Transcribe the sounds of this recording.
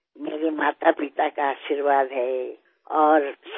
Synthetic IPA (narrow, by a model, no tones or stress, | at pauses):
mḛːɾemaːt̪apit̪akaaːʃiɾʋaːd̪ʱɦɛ | ɔːɾs